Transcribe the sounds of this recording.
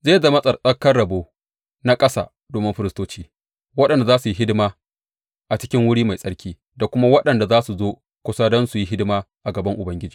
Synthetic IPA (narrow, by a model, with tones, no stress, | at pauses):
zeː˦za˨mɐ˦sʼɐ˨rsʼɐ˦kːɐ˦rɽɐ˨boː˦ | na˦kʼɐ˦sa̰ː˨ | doː˨mɪ˦ɸɪ˦ɾɪ˦stoː˦t͡ʃiː˦ | wɐ˦ɗɐ˨nda˨zaː˦su˨ji˦ɦɪ˦dɪ˦maː˦ | ʔa˨t͡ʃɪ̥˦kʲɪ˦ŋwʊ˦ɽiː˦ma˨jsʼɐ˦ɽkʲiː˦ | da˨kʷʊ˦ma˦wɐ˦ɗɐ˨nda˨zaː˦su˨zoː˦ | kʷʊ˦sa˦dɔ˦nsu˨ji˦ɦɪ˦dmaː˦ | ʔa˨ɡɐ˨bɐ˦ŋʔʊ˨bɐ˦ŋɡʲɪ˦d͡ʒiː˨